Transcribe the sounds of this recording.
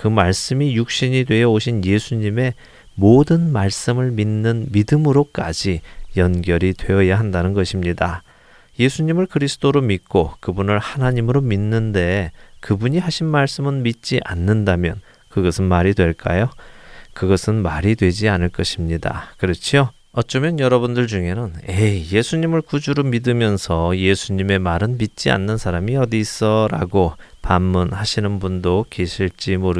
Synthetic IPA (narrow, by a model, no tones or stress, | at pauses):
kɯmaɭs͈ɯmijuk̚ɕ͈iɲidwe̞jʌoɕʰinje̞sʰuɲime̞ | modɯnmaɭs͈ɯmɯɭminːɯnmidɯmɯɾok͈a̰d͡ʑijʌnɡjʌɾidwe̞ʌjaɦandanɯnɡʌɕʰimɲida | je̞sʰuɲimɯɭkɯɾisʰɯ̥t͈ʰoɾomit̚k͈okɯbunɯɭhanaɲimɯɾominːɯnde̞kɯbuɲiɦaɕʰinmaɭs͈ɯmɯnmit̚t͡ɕ͈iʔa̰nːɯndamjʌn | kɯɡʌsʰɯnmaɾidwe̞ɭk͈ajokɯɡʌsʰɯnmaɾidwe̞d͡ʑianɯɭk͈ʌɕʰimɲida̰kɯɾʌt͡ɕʰio | ʌt͡ɕ͈ʌmjʌnjʌɾʌbundɯɭd͡ʑuŋe̞nɯneje̞sʰuɲimɯɭkud͡ʑuɾomidɯmjʌnsʰʌje̞sʰuɲime̞maɾɯnmit̚t͡ɕ͈ia̰nːɯnsʰaɾamiʌdis͈ʌɾa̰ɡopammunhaɕʰinɯnbundoke̞ɕʰiɭt͡ɕ͈imoɾɯ